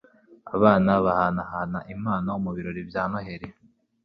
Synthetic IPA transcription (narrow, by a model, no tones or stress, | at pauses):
a̰βaːnaβahanahanaʔimaːnaomuβiɾo̞ɾibjaːnoɦe̞ɾe